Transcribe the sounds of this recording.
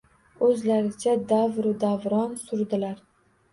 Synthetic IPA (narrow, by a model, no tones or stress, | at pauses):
ɵzlaɾɪt͡ʃʰad̪avɾʊd̪avɾɒnsʊɾd̪ɪlaɾ